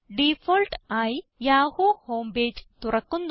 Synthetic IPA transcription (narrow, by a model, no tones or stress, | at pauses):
ɖipʰolʈajjaːhuhoːmbeːd͡ʒt̪uɾɐkːund̪